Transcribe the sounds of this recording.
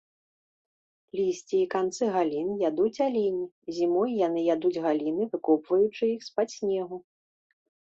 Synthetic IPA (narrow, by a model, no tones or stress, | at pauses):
lʲisʲt͡sʲiːkant̪sɨɣalʲinjad̪ut͡sʲalʲinʲi | zʲimɔjjanɨjad̪ud͡zʲɣalʲinɨvɨkɔpvɐjut͡ʂɨixspasʲnʲɛɣu